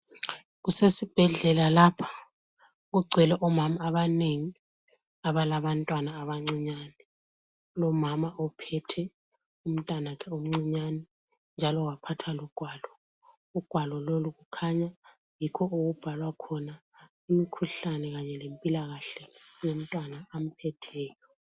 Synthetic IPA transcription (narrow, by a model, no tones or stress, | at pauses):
ɣusesib̥ʱɛɮɛlalapʰḁ | ɣuɡ͡ǀʱɛlɛʔɔmamaːβaneŋi | aβalaβantʼwanaːβaŋ͡ǀiɲanɛ | lɔmamaʔɔpʰɛtʰɛ | um̩tʼanakʰɛom̩ŋ͡ǀiɲanɛ | nd͡ʒʱalɔwapʰatʰwalɔɡ̥ʱwaːlɔ | uɡ̥ʱwalɔloluɣukʰaɲa | jikʰɔuɣub̥ʱalwakʰɔna | imikʰuɬanɛɣaɲɛlempʼilaɣaɬɛjom̩tʼwanaːm̩pʰɛtʰɛːjɔ